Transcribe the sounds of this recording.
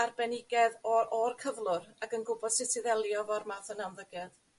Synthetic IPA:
arbɛnɪɡɛðɔrkʰəvlˠʊraɡənɡʊbɔðsɪsɪðɛlˠjɔvɔrmaθənanðəɡɛð

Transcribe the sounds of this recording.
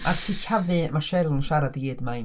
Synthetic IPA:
ʔatʰiːkʰavɨmaʃɛlˠənʃaɾadɡiːdmaj

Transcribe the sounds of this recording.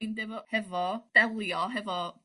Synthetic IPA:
nd̪ɪvɔhɛvɔd̥ɛlˠjɔɦɛvɔ

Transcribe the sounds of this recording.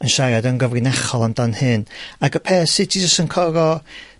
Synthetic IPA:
ənʃaɾadənɡəvrɨnɛχɔlˠamdanhɨnaɡəpʰeːsɪtʰid͡ʒəstənkʰɔɾɔ

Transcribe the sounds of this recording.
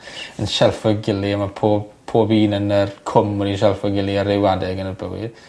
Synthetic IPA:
ənʃɛlˠfɔɡɪliəmapʰoːbpʰoːbiːnənərkʰʊmɔniʃ̬ɛlˠfɔɡɪlˠiəɾewadɛɡənərbəwɪ̰d

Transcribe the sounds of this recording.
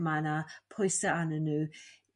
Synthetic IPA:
manapʰɔjsəanənʉ

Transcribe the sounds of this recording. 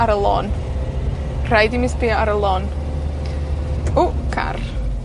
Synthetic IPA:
aɾəlˠɔ̰n | r̥ajdimɪsbiaɾəlˠɔn | ʊkʰa̰r

